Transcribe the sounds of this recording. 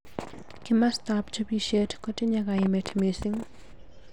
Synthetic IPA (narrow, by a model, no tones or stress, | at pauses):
kɪmast̪apt͡ʃobiʃɛtkɔtɪɲaɡaɪmɛtʰmesɪŋ